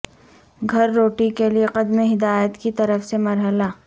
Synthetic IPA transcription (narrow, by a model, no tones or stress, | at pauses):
ɡʱɐɾːoːʈikelieqɐd̪meɦɪd̪aːjət̪kit̪ɐɾəfsemɐɾɦəlaː